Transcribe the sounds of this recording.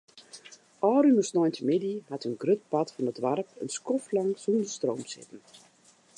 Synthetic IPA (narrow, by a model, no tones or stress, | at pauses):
ʔɔːrynɔsnɔjntʰəmɪdihatənɡrøt̚patfɔnətʋarpə̰nskɔflaŋsuəndəstroːmsɪ̰tən̩